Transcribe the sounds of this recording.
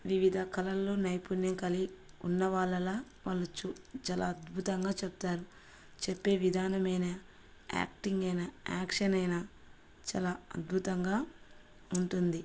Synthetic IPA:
ʋiʋid̪ʱɐkʰɐlɐlːo̞ːnɐjpunːɐŋkɐli | unːɐʋaːɭːɐlaː | ʋɐlut͡ʃut͡ʃaːla̰ɐd̪bʱut̪ɐŋɡaːt͡ʃebut̪aːɾu | t͡ʃepːe̞ːʋid̪ʱaːnɐmɐjnɐ | a̰ːkʈiŋɡɐjnɐa̰ːkʂɐnɐjna | t͡ʃa̰ːlaːɐd̪̚bʱut̪ɐŋɡaː | uɳʈund̪i

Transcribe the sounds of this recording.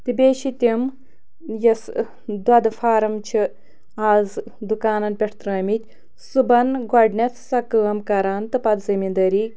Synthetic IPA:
t̪ibʲeːʃit̪ʲim | jɐs | d̪wɐd̪ɨfaːɾɐmt͡ʃʰi | aːz | d̪ukaːnɐnpʲeʈʰt̪ɾɐːmit̪ʲ | subɐnɡaɖnʲet̪ʰsɐkɨːɐmkɐɾaːnt̪ɨpɐd̪zɐmind̪ɐɾiː

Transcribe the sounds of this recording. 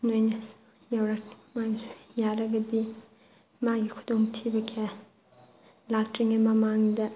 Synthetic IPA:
nojnɐ | jawɾamaŋsujaɾɐɡɐdi | maɡikʰɔtɔŋtʰibɐkʰe | lak̚tiŋimɐmaŋdɐ

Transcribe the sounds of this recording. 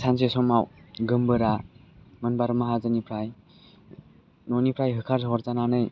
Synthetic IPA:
sʰansesɔmawɡɯmbɯɾamɯnbaɾɯmaɦazɯnipʰɾaj | nɔnipʰɾajɦɯkʰaɾzɦɔɾtananɯj

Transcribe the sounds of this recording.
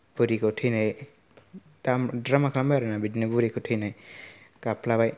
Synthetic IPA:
b̥uɾikʰɯtʰɯjnaj | damdɾamakʰambajɾanabidnɯbuɾikʰotʰɯjnajkapʰlabaj

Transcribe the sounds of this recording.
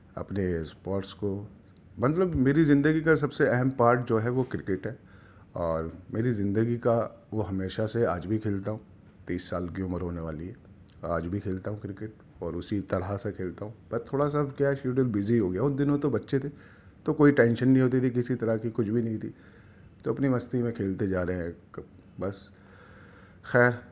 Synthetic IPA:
ɐ̰pnespɔːɾʈsko | mɐt̪ləbmeːɾizɪ̃nd̪əɡikas̬ɐbseɛɦɛmpaːɾʈ̚d͡ʒoːɦɛʋokɾɪkɪʈɦɛː | ɔːɾmeːɾizɪ̃nd̪əɡika | ʋoɦɐmeːʃaseaːd͡ʒbʱikʰeːlt̪aɦũː | t̪iːsːaːlkjoːməɾɦoːneʋaːliɦɛː | aːd͡ʒbʱikʰeːlt̪aɦũkɾɪkɪʈ̚ | ɔːɾʊsit̪ɐɽɦasekʰeːlt̪aɦũbɐst̪ʰoːɽas̬abkjaɛʃuːʈelbɪziɦoːɡɪjaʊd̪ɪnõt̪obɐtːʃet̪ʰe | t̪okoːiʈɛ̃ːnʃənːɐɦĩɦoːt̪̬it̪ʰikɪsit̪ɐɾakikʊt͡ʃʰbʱinɐɦĩt̪ʰḭː | t̪oɐpnimɐst̪imẽkʰeːlt̪ed͡ʒaːɾəɦeɛ̃k | bɐs | xɛːɾ

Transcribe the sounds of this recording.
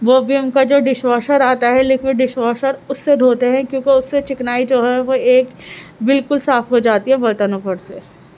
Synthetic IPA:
ʋoːbʱiʊnkad͡ʒoːɖɪʃʋaːʃəɾaːt̪aɦɛleːkʰeɖɪʃʋaːʃəɾʊsːed̪ʱoːt̪eɦɛ̃kjõːkeʊsːet͡ʃɪknaːid͡ʒoːɦɛʋoeːkbɪlkʊlsaːfɦod͡ʒaːt̪iɦɛbɐɾt̪anõːpɐɾseː

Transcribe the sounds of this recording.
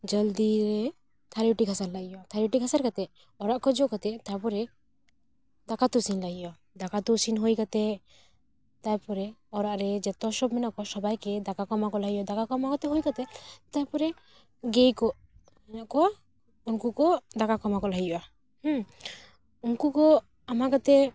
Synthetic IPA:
d͡ʒəld̪iɾɛ | t̪ʰaɾiʈikʰasaɾlaɡijɔat̪ʰaɾiʈikʰasaɾkat̪ɛ | ɔɾaʔkɔd͡ʒokat̪ɛt̪ajpɔɾɛ | d̪akat̪usinlaɡija | d̪akat̪usinɦojkat̪ɛ | t̪ajpɔɾɛɔɾaʔɾɛd͡ʒɛt̪ɔʃɔbmɛnɔʔkɔsɔbajkɛd̪akakɔmakɔlaɡijɔd̪akakɔmakɔt̪ɛɦojkat̪ɛt̪ajpɔɾɛ | ɡejkɔ | mɛnaʔkɔa | unkukɔd̪akakɔmakɔlaɡijʔa | h | unkukɔ | amakat̪ɛ

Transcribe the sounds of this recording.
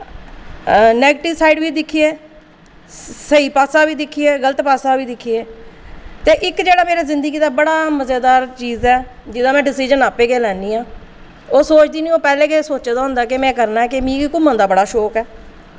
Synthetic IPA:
nɛːɡːʈɪʋsaːiɖʋiːd̪ɪkʰːieː | səiːpaːsaːʋiːd̪ɪkʰːieːɡələt̪paːsaːʋiːd̪ɪkʰieː | t̪eːʔɪkd͡ʒeːɽaːmeːɾaːzɪ̃nd̪əɡiːd̪aːbəɽaːməzeːd̪aːɾt͡ʃiːzɛːd͡ʒɪd̪ãːmɛ̃ːɖɪsiːd͡ʒənaːpːeːɡeːlɛːniːãː | oːsoːt͡ʃd̪iːnĩːoːpɛːlẽːkesoːt͡ʃːd̪aːɦʊ̃nd̪aːkɪmɛ̃ːkəɾnaːɛːkɪmĩːɡiːkʊmə̃nd̪aːbəɽaːʃɔːkɛː

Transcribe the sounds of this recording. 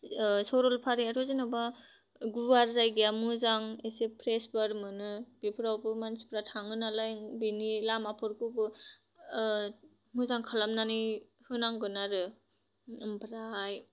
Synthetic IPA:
sɔɾɔlpʰaɾiaɾɔzinaba | ɡuwaɾzajɡijamɯzaŋesepʰɾesbaɾmɯnɯb̥ipʰɯɾawbɯmansi̥pɾatʰaŋɯnalajbinilamapʰɯɾkɯbɯ | muzaŋkʰalamnani | hɯnaŋɡɯnaɾɯ | ɯmbʰɾaj

